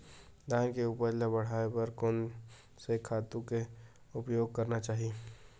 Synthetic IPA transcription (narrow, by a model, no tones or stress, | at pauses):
d̪ãːnkeuːpəɾlabəɽ̤aːepɐɾkoːn | sekʰaːt̪ũke | ʊpjoːɡ̚kɐɾnat͡ʃaːɦie